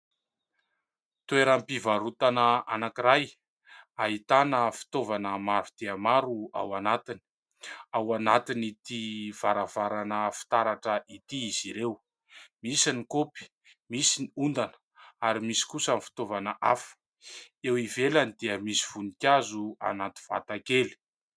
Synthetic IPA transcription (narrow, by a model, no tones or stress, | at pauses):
t̪ueɾampivaɾut̪anəanakiɾaj | aɦit̪anəfi̥t̪ovanəmaɾud̪̥eəmaɾua̰wanat̪ini̥ | awanat̪init̪iv̥aɾavaɾanəfi̥t̪aɾaʈ͡ʂəʔit̪iiziɾew | misinikopi̥ | misiniund̪anə̥ | aɾimisi̥kusanifi̥t̪ovanəʔa̰fə̥ | ewivelanid̪eəmisi̥v̥unikʲjazua̰nat̪i̥v̥a̰t̪akeli̥